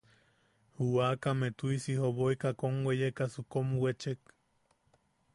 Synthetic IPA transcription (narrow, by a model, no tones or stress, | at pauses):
huwakamet̪uisihoβoikakomwejekasukomwet͡ʃek